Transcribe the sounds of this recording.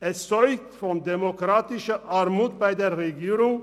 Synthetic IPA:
ɛsɔɾɡ̚t̪fɔnd̪ɛmɔkʰɾɑːt̪ɪʃəʔɑːɾmuːd̪̚bæɪd̪eːɾɾɛɡiːɾʊŋ

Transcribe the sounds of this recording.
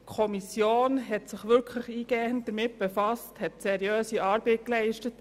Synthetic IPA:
kʰɔmisjoːnɦɛtsɪχʋʏɾkʰləχiːɡ̥ɛːənt̚d̥əɾmɪt̚b̥efɑsthɛtsɛɾjøːsiʔɑːɾbɛɪt̚klɛɪʃtət

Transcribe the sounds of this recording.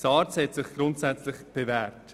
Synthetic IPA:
sɑːɾt͡shɛtsɪχɡ̥ɾʊntsɛt͡slɪχb̥evɛːɾt

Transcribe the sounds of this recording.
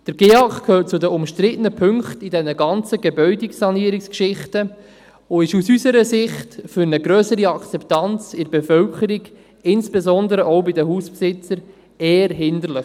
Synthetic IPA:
d̥əɾɡeːɑkkʰhøːrt̚t͡sʊdəʊmʃtɾɪtənəpʰʏŋkχtidɛnəɡɑnt͡səɡebœʏdɪksɑniːəɾɪkskʃɪχtə | oɪʃusysəɾəzɪχtfyɾnəɡɾøːsəɾiɑkt͡sɛptɑnt͡sɪɾbefœlkʰəɾiɡ | ɪnsb̥ezɔndəɾəʔɔʊbɪdəɦuspsɪt͡səɾ | eːəɾɦɪndərlɪχ

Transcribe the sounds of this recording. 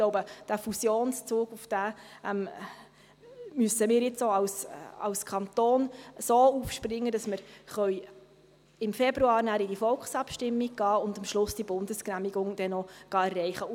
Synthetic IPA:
ɡ̥loʊbəd̥æfusjoːnst͡suːɡ̥ufd̥æːʔɛm | mysəmɪːɾjɪt͡soɑwsɑ̰lskʰɑnt̪oːnsoːuːfʃprɪŋːəd̥ɑsməɾχœj | ɪmfɛbɾuɑːɾnæːɾɪdifɔlksɑpʃtɪmːiɡ̚ɡ̥ɑːʊndɑmʃlʊsd̥ibʊndəsknæmiɡʊŋd̥ɛnɔɡ̥ɑɛrːɛɪχə

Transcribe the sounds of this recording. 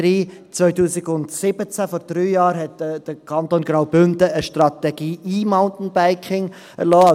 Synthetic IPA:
ɾiːt͡sʋœʏtuːsɪɡʊndsɪb̥ət͡sæfɔɾd̥ɾyːjɑːɾɦɛtd̥əkʰɑnt̪oːnɡɾaʊbʏndəəʃtɾɑt̪ɛɡ̥iːʔiːmaʊntn̩baɪkʰɪŋ | ɛ̰ɾlɔːɑ

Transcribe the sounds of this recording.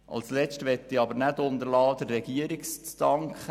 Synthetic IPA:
ʔɑ̰lslɛt͡ʃtʋɛt̪ːiɑbəɾnædʊnd̪əɾlɑːd̥əɾːɛɡ̥iəɾikst͡stɑŋkχə

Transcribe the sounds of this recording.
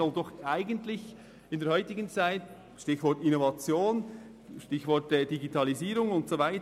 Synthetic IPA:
ɔldɔχaɪɡəntlɪç | ɪndeːɐɦœʏtɪɡən̩t͡saɪt | ʃtɪçvɔɹtɪnovɑt͡sjoːn | ʃtɪçvɔɹtɛd̥iɡitʰɑliziːɾʊŋʊntsovaɪt

